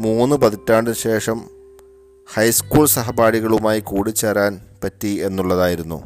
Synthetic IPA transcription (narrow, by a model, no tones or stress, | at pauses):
muːnːɨpɐðitːaːɳɖɨɕe̞ːʂɐm | hɐjskuːɭsɐɦɐbaːɽiɣɐɭumaːjikuːɽit͡ɕːeːraːnpɐtːie̞nːuɭːɐðaːjiɾunːṵ